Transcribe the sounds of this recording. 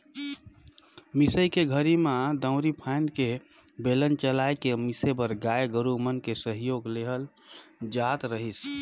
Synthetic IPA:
misəjkeɡʱəɾimãd̪ə̃ʊ̃ɾipʰaɪnd̪ke | belənt͡ʃəlajkemisebəɾɡajeɡəɾumənkesəɦjoɡleɦəl | d͡ʒat̪ɾəɦis

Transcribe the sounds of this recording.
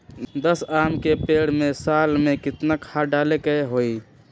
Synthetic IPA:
d̪əsaːmkepeːɽmẽsaːlmẽkɪt̪nakʰaɖaːlekeeɦoːi

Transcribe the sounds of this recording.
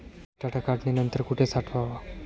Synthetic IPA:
ʈaʈʰakaʈnenənt̪əɾkuʈʰesaʈʰʋaʋa

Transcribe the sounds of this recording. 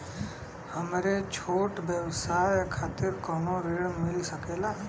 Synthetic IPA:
həmɾet͡ʃʰoːʈbjəwsaːjkʰaːt̪ɪɾkɔnoɾeɽmɪlsəkeːla

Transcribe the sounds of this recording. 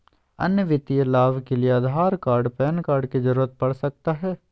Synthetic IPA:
ɐ̰njəʋɪt̪ijelaːʋkelieɐːd̪ʱaːɾkaːɾɖpɛːnkaːɾɖkizəɾuːɾət̪̚pɐɽsɐk̚t̪aɦɛː

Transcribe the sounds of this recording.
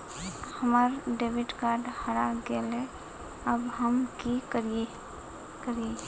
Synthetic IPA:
hɐmaɾɖeːʋɪʈkaːɾɖhəɾaɡeːle | ɐbɦəmkikəɾe | kəɾie

